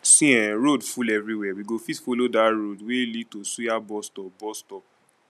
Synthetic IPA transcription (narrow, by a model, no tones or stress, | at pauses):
sĩɛ̃ɾodfulɛvɾiwɛwiɡofitfolodaɾodwelid̚tosujabɔstɔbɔstɔ